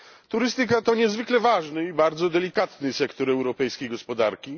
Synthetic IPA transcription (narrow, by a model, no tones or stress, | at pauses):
t̪uɾɘst̪ɘk̬at̪ɔɲɛzvɘklɛvaʐnɘibaɾd̪zɔd̪ɛlʲikat̪nɘsɛkt̪ɔɾɛwɾɔpɛjskʲejɡɔspɔd̪aɾkʲi